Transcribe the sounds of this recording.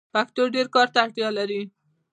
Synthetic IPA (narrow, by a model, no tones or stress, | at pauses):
pakt̪oɖeɾkɑɾt̪aːʈ̪jɑlaɾi